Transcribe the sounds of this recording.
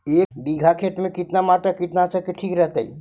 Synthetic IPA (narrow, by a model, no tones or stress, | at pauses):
ekbiɡʱakʰet̪mẽkit̪namat̪əkit̪nasəkeʈʰikɾəɦt̪a̰ḭ